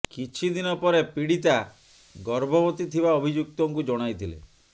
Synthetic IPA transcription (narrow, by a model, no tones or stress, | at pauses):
kit͡ʃʰid̪inɔpɔɾepiɽit̪a | ɡɔɾbɔbɔt̪it̪ʰibaɔbʱid͡ʒuk̚t̪ɔŋkud͡ʒɔɽ̃ajt̪ʰilḛ